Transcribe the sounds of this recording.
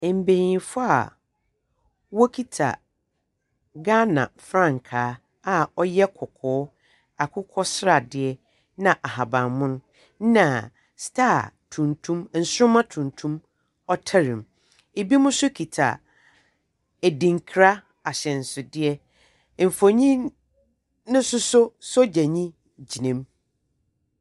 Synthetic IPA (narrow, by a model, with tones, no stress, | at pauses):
m̩˨be˨ɾĩ˨nfʊ˦a̰˨ | wɔ˦kʰi˦tʰa̰˨ | ɡa˦nã̰˨fɾã˦˨ŋ̩˨kʰaː˨˦ | a˨ɔ˦jɛ˦kʰɔ˨kʰɔː˨˦ | a˨kʰʊ˦kʰɔ˦sɾa˨dɪ˦ɛ˦ | nã˨ʔa˨ɦa˨bã˨mʊ̃˦nʊ̃˦ | nã˨ | stʰa˦˨tʰũ˨ntʰũ˦m˦n̩˨sʊ˦ɾʊ̃˦mã˦tʰũ˨ntʰũ˦m | ɔ˦tʰa˦ɾɪ̃˨m | e˨bi˦mʊ̃˦sʊ˦kʰi˨tʰa̰˨ | æ˨dĩ˨ŋ˨kʰɾa˦ | a˨ɕɛ̃˨n̩˨sʊ˨dɪ˦ɛ˦ | m̩˨fo˨ɲĩ˦ | nʊ̃˦sʊ˦sʊ˦sɔ˦d͡ʑæ˨ɲĩ˦ | d͡ʑi˨nɛ̃˦m